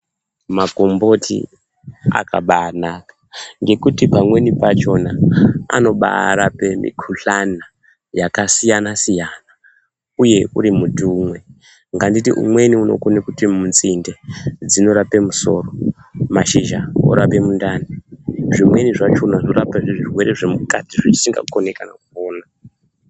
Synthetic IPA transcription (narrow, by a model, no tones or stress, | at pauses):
maɡʱo̞mbo̞tʰḭ | a̰kaɓaːnakḁ | ŋɡe̞kutipamwe̞nipat͡ʃo̞naa̰no̞ɓa̰ɾape̞mḭkʰuɬana | jakasijanasijana | uje̞ṵɾimutumwe̞ | ŋɡanditiʔṵmwe̞niuno̞̰konekutimunzinde̞d͡zino̞ɾape̞muso̞̰ro̞maʃiʒao̰ɾape̞mundaniʐimwe̞niʐat͡ʃo̞nano̞ɾapaʐʐirwe̞ɾeʐe̞muka̰tiʐit͡ʃi̥siŋɡa̰ukonekana̰kuoːna